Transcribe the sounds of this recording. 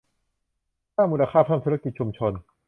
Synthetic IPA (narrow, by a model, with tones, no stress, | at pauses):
kaː˥˩mːu˧laː˧kʰaː˥˩pʰa˧˥˩mt̪ʰuː˥˧ɾa˧ki˨˩t̪̚t͡ɕʰu˧mt͡ɕʰo˧n